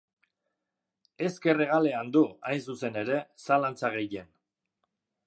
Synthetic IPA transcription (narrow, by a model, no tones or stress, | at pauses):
e̞ske̞reɣ̞ale̞and̪uajnsuse̞ne̞ɾe̞salant͡saɣ̞e̞je̞n